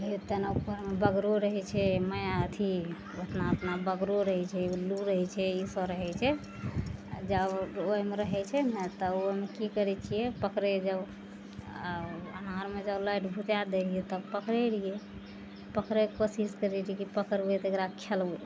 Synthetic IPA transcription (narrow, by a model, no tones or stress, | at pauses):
it̪enapəɾmebəɡɾoɾəɦɛt͡ʃʰɛməjaət̪ʰi | ət̪naət̪nabəɡɾoɾəɦɛt͡ʃʰɛuluɾəɦɛt͡ʃʰɛisəɾəɦɛt͡ʃʰɛ | d͡ʒəboemeɾəɦɛt͡ʃʰɛnɛt̪ɔomekikəɾɛt͡ʃʰijɛpəkɾed͡ʒəb | ənaɾmed͡ʒəblaiʈbʱut̪aɾd̪elijet̪əpəkɾɛlije | pəkɾekosiskəɾelikipəkəɾbet̪ɔekɾakʰelbe